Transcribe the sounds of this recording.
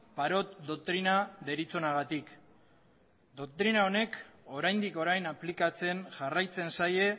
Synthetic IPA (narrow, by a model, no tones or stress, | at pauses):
paɾo̞t̪d̪ok̚t̪ɾinaðe̞ɾit͡so̞naɣat̪ik | d̪o̞k̚t̪ɾinao̞ne̞ko̞ɾajnd̪iko̞ɾajnaplikat͡se̞nʝarajt͡se̞nsaje̞